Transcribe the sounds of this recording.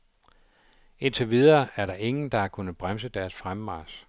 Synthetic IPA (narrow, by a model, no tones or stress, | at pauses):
e̝nt͡sʰe̝ʋið̞ˠɐːæɐɾɑ̈ʔe̝ŋn̩d̥ɑ̈ækʰunð̩ˠb̥ʁamsəd̥æɐsfʁammɑːs